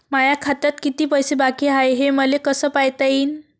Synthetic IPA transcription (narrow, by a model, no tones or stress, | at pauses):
majakʰat̪at̪kit̪iːpəjsebakiːɦajɦeməlekəsəːpajt̪aiːn